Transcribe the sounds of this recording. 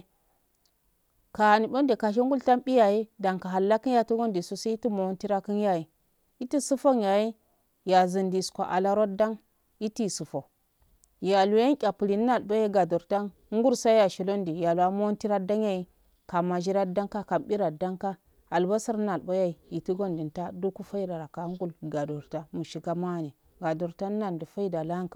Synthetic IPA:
ka˨a˨ni˨bo˦ndi˨ka˨ʃ̬e˦ŋɡu˦lta˦mɓi˦ja˨ji˦da˨ŋka˨ɦa˨lːa˦ki˦n˦ja˦tu˦ɡo˦ndi˨su˦sa˦i˦ti˦mo˨˦nti˦ɾa˦ki˦n˦ja˦ji˨ | i˦ti˦su˦fo˦nja˨ji˦ | ja˨zi˨ndi˨skʷa˨ʔa̰˨la˦ɾo˦da˦ŋ | i˦ti˦˨su˨fo˨ | ja˨lu˨˦a˦ŋkʲʼa˨pu˨li˨n˦na˨lbo˦ja˦ɡa˨do˨ɾta˦n | ŋ˦ɡu˦ɾsa˦ja˨ʃi˨lo˦ndi˨ja˨lu˨a˨mo˦n˦ti˦ɾa˦da˦ŋja˦˨i˦ | ka˨ma˨ʒi˦ɾa˦da˦ŋka˦ka˨mbi˦ɾa˨da˦ŋka˦ | a˨lba˦si˦ɾna˨lba˦ja˦i˨i˨ti˦ɡo˦ndi˨nta˦du˦ku˦fa˦i˦ɾa˨ɾa˨ka˨˦ŋ˦ɡu˦lɡa˨do˨ɾta˦mu˨ʃi˨ɡa˦ma˦˨ni˨ | ɡa˨do˨ɾta˦n˦na˨ndi˨fa˦i˦da˨la˦ŋkḁ˨

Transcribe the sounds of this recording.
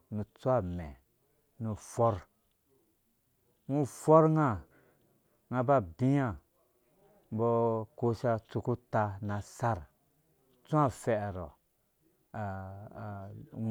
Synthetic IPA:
nu˧t͡su˦a˦˨mɛ˨ | nũ˧fɔ˦ɾ | ŋũ˦fɔ˦ɾŋa˦˨ | ŋã˧ba˦bi˦ja˦ | bɔ˧ko˧ʃa˧t͡su˧ku˦ta˧na˨sa˦ɾ | t͡sũ˦a˦fɛ˨ʔɾɔ˨ | a˨

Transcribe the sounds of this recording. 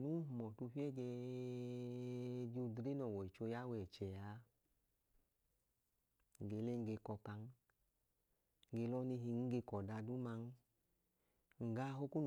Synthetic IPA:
nu˦˨mɔ˨tu˧fi˦ɛ˦d͡ʒɛ˧ | d͡ʒu˧dɾe˦nɔ˨wɔ˨i˨t͡ʃo˧ja˦wɛ˨t͡ʃɛ˨a˨˦ | ŋ˨ɡe˧˨le˦ŋ˧ɡe˧kɔ˧ka˧n˦ | ɡe˧lɔ˦ni˧ɦi˧ŋ̩˦ɡe˧kɔ˨da˧du˦ma˧n˦ | ŋ̩˨ɡa˧˦ɦo˦ku˦n

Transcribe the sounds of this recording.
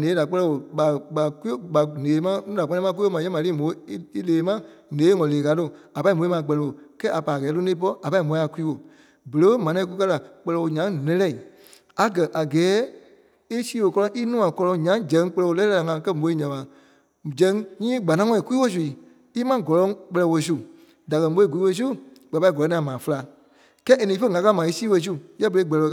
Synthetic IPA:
nẽ˨˦da˨k͡pɜ˧˦lɛ˧wo˨ɓa˨ɓa˨ku˦ɓa˨neː˨˦mã˦nũ˦da˨k͡pɛ˧nɛ̃˦ã˦ku˦mã˨˦ɛ̃˦ã˨liː˦mõ˨˦i˦leː˨˦mã˦nẽː˨˦ŋɔ̃˨leː˨ka˨˦to˦˨a˨pa˧˦i˦mõ˨˦i˦mã˧˨˧k͡pɜ˧lɛ˧˨o˨kɛː˦a˨pa˨ɡɛː˨˦lo˦nẽ˦p̬ɔ˦a˨pa˧˦i˦˨mõ˨˦ĩ˦a˨ku˦iː˦wo˨ | bə˨lə˦mã˨nã˧ĩ˦˧ku˧kɜ˦la˨k͡pɜ˧lɛ˧wo˨ɲã˨˦ŋ˨lɛ̃˧lɛ˦˨i˨ | a˨ɡɜ˨ʔa˨ɡɛː˨˦ | e˦siː˦wo˧˨kɔ˧lɔ̃˧˦ʔi˦nũː˦ã˨kɔ˧lɔ̃˧ŋɲã˨˦d͡ʒɛ̃˨˦ŋ˦k͡pɛ˧lɛ˧wo˧lɛː˦a˨ŋã˨˦kɜ˦mo˨˧i˦˧ɲã˨a˨ | d͡ʒɛ̃˨˦ŋɲĩː˦ɡ͡ba˨nã˦ŋɔ̃˧˨ĩ˨ku˦i˦wo˦˨s̬u˨i˨ | i˦mã˦ɡɔ˨lɔ̃˨˦ŋk͡pɜ˧lɛ˧wo˧˨s̬u˦˨ | da˨kɜ˧˨˦ɓo˧˦i˦˨ɡu˨i˦wo˧s̬u˦ɡ͡ba˨pa˧˦i˨ɡɔ˨lɔ̃˨˦nĩ˦ã˨mãː˨fə˦la˨ | kɛː˦ʔe˨nĩ˧˦fə˦˨ŋã˧ka˦mã˨i˦siː˦wo˧˨s̬u˦jɛ˦bə˨ɾe˧˦ɡ͡bɛ˨lɛ˧

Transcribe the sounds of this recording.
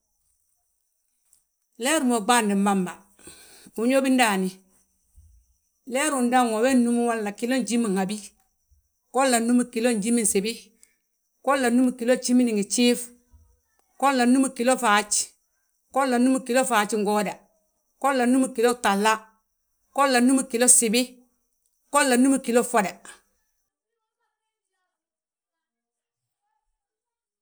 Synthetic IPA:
lɛ˦ɾu˨mo˨ɡ͡ba˦˨ndi˨mba˦mba˨ | u˨ɲo˦bi˦n˦da˨ni˨ | lɛ˦ɾu˨nda˦ŋo˨we˦nnu˦mu˦wa˦lːa˨ki˦lo˦nd͡ʒi˦mi˨ŋha˨bi˦ | ko˦lːa˨nu˦mu˦˨ki˨lo˦nd͡ʒi˦mi˦n˨se˨bi˦ | ko˦lːa˨nu˦mu˨ki˨lo˦t͡ʃi˦mi˦ni˨ŋi˨t͡ʃi˦f | ko˦lːa˨nu˦mu˨ki˨lo˦fa˨t͡ʃ | ko˦lːa˨nu˦mu˨ki˨lo˦fa˨t͡ʃi˦ŋɡo˦da˨ | ko˦lːa˨nu˦mu˨ki˨lo˦ta˨lːa˦ | ko˦lːa˨nu˦mi˨ki˨lo˦si˨bi˦ | ko˦lːa˨nu˦mu˨ki˨lo˦fo˦da˨

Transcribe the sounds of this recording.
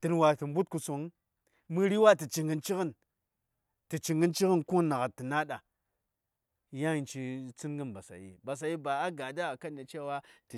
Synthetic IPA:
tɨ˨nwa˨ti˨mbu˦t̚ku˨so˨ŋ˦ | mɨ˦ɾi˦wa˦ti˨t͡ʃi˨ŋɡə˦nt͡ʃi˦ɣə˦n | tɨ˨t͡ʃi˨ŋɡə˦nt͡ʃi˦kə˦nku˦nːa˨ɣa˨tːi˨na˦ɗa˨ | ja˦i˨nt͡ʃi˨t͡si˦nɡə˦nba˨sa̰˨jḭ˨ba˨s̬a˨ji˦ba˨a˦ɡa˨da˦a˨ka˦na˨t͡ʃe˦wa˦ti˨

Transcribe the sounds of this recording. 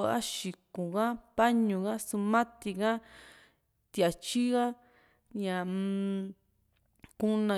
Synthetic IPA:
a̰˦ʃi˨kũ˨ɣã˦pa˦ɲũ˨ɣã˦su˧mã˦t̪i˧ɣã˦ | t̪i˧˨a˨t͡ʃi˦ɣa˦ | ɲã˨ | ku˦nã˨˧˨

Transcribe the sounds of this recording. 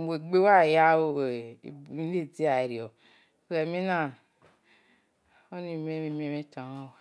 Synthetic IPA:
mo˨ɡ͡be˦wa˦˨ja˦o˦˨bi˦e˦˨d͡zi˦a˨e˨ɾi˨ɔ˨˦ | sɛ˨mi˦na˦˨ | o˦ni˨me˦mi˦m˦e˦me˦tã˨˦ã˦wa˨

